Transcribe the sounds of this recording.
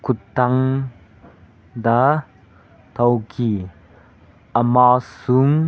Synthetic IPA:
kʰut̪ːaŋ | d̪a | t̪ʰɐwki | ʔəmasuŋ

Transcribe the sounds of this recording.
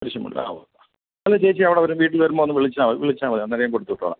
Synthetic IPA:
pɐɾiɕjɐmṵɭːɐ̰a̰ʋo | ɐlːɐt͡ɕejit͡ɕːiɐʋiɽeɐʋɐɾumʋiːʈ̬ːilʋɐɾumːoːnːɨmʋiɭit͡ɕːaːmɐʋiɭit͡ɕːaːmʋɐnɐnːiɾɐjamkoɽut̪ːuʈːoːɭa̰

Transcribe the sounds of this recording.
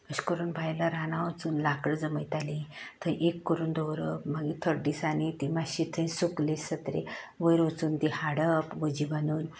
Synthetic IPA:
əɕkəɾuːnbʱajlaɾanaʋət͡suːnlakɽd͡zəməjt̪alĩt̪ʰə̃ʔekːəɾuːnd̪ɔwɾəpmaɡit̪ʰəɾɖiːsanit̪imaɕit̪ʰə̃jsuklesət̪ɾḛʋəjɾət͡suːnt̪ihaɽəpʋəd͡ʑiʋanuːn

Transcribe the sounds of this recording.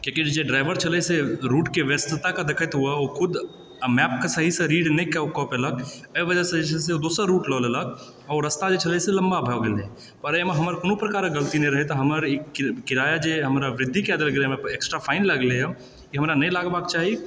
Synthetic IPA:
kõkid͡ʒeɖɾaɪʋəɾt͡ʃʰələseɾuːʈkeʋjəst̪ɪt̪akad̪ɪkʰət̪ɦuaokʰʊd̪ʱ | mɛp̚kasəɦisẽɾiːɖnəĩkekɔpelək | əiʋəd͡ʒasẽd͡ʒet͡ʃʰseod̪oːsəɾɾuːʈlɔːlelək̚ | ɔːɾəst̪ad͡ʒet͡ʃʰəlɛseləmbabʱəoɡele | pəɾəmeɦəməɾkonũpɾəkaːɾɡəlt̪inəĩɾəɦet̪ɔɦəməɾekɪɾaːjad͡ʒeɦəmɾaʋɾɪd̪ʱːikɛd̪əlɡelemeeksʈɾapʰaːɪnləɡlea | kiɦəmɾanəĩlaːɡbaːk̚t͡ʃaːɦi

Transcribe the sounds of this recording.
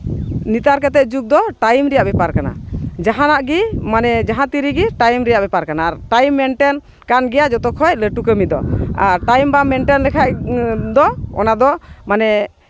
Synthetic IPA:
nit̪aɾkɛt̪ɛd͡ʒuk̚d̪ɔʈajmɾɛjaʔbɛpaɾkana̰d͡ʒaɦãnaʔɡimanɛd͡ʒaɦãt̪iɾiɡiʈajmɾɛjaʔbɛpaɾkanaːɾʈajmːɛɳʈɛn | kanɡɛjad͡ʒɔt̪ɔkʰɔjləʈukəmid̪ɔ̰aɾʈajmbamɛɳʈɛnlɛkʰaʔd̪ɔɔ̰nad̪ɔmanɛ

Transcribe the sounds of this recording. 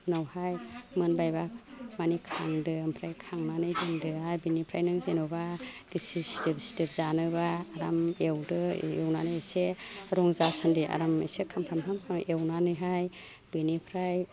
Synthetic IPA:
nawhajmɯnbajbak̚manikʰaŋdɯampʰɾajkʰaŋnanɯjdɯŋdɯhajbinipʰɾajnɯŋzenɯwbaɡ̥isisidipsi̥dɯp̚zanɯbaːɾamewdɯ̰ewnanɯjseɾɔŋzasandiʔa̰ɾamesekʰampʰamtʰamʰaewnanɯjɦaj | b̥enipʰɾaj

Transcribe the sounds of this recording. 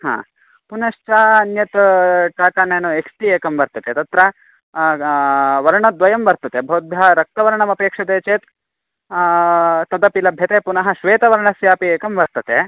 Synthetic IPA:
ɦa̰ː | punɐʃt͡ʃaːɐnjɐt̪ʈaːt̪aːneːnueksʈieːkɐmʋɐɾt̪ɐt̪et̪ɐt̪ɾɐ | ʋɐɾɐɳɐd̪ʋɐjɐmʋɐɾt̪ɐt̪ebʱɐwd̪̚bjɐɾɐk̚t̪ɐʋɐɾɐɳɐmɐpeːkʂɐt̪eːt͡ʃeːt̪ | t̪ɐd̪ɐpilɐbʱjɐt̪eːpunɐɦɐ̆ʃʋeːt̪ɐʋɐɾɐɳɐsʋjaːpieːkɐmʋɐɾt̪ɐt̪e

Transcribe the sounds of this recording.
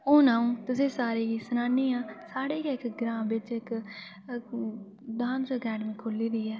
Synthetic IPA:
oːnãːũːt̪ʊsẽːsaːɾiːisənaːniːãːsaːɽeːkːɪkɡɾãːbɪt͡ʃɪk | d̪aːnsoːkɛːɖmĩːkʰʊliːɾiːɛː

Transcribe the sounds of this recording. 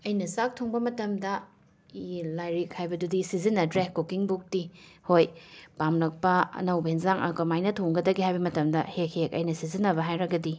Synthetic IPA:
ɐjnɐsak̚tʰoŋbɐmɐtɐmdɐ | ilajɾik̚hajbɐdudisizinːɐdɾekokiŋbuk̚tihojpamlɐk̚pɐɐ̰nɐwbinzaŋʔɐ̰kɐmajnɐtʰoŋɡɐdɐɡihajbɐmɐtɐmdɐhek̚hekɐ̰jnɐsizinːɐbɐɦajɾɐɡɐdi

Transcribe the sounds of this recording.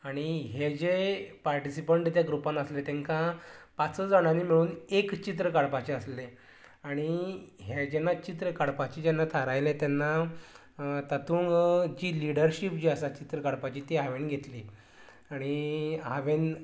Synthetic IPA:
aɽ̃iɦed͡ʑepaɾʈisipəɳʈt̪jaɡɾupãnəslet̪eŋkãpat͡səd͡zaɽ̃animiɭuːnekt͡ɕit̪̬ɾəkaɽpat͡ɕeəsle | aɽ̃iɦed͡ʑenːat͡ɕit̪ɾəkaɽpat͡ɕid͡ʑɛnːat̪ʰaɾajlẽt̪jɛnːa | t̪at̪ʰuːŋɡd͡ʑiːliɽəɾɕipd͡ʑiasat͡ɕit̪ɾəkaɽpat͡ɕiːt̪iɦaʋenɡʱet̪liː | aɽ̃iɦaʋen

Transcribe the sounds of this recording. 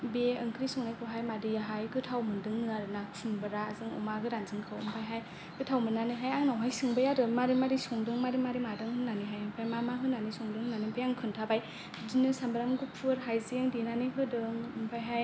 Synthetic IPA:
beɯŋkʰɾisɔŋnajkʰɯɦajmadɯjaɦajɡɯtʰawmɯndɯŋzaɾɯnasʰɯmbɯɾaːzɯŋɯ̰maɡɯɾaŋzɯŋkʰɯwɯ̰mpʰajɦaj | kɯtʰawmɯnːanɯɦajaŋnawɦajsɯŋbɯjadɯmaɾimaɾisɔŋdɯŋmaɾimaɾimadɯŋhɯnːaniɦajɯmpʰajmamaɦɯnːanisɔŋdɯŋnanɯbejaŋkʰɯntʰabaj | dinɯsambɯɾamɡɯpʰɯɾɦajzieŋdinaniɦɯdɯŋɯmpʰajɦaj

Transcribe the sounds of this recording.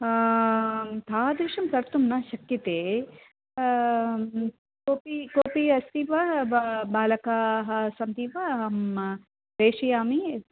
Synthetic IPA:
t̪ʰaːd̪ɾiʂɐmkɐɾt̪umnɐʃɐkjit̪eː | koːpikoːpiɐst̪iʋɐbaːlɐkaːɦɐsɐmd̪iʋɐɦɐm | ɾeːʂijaːmi

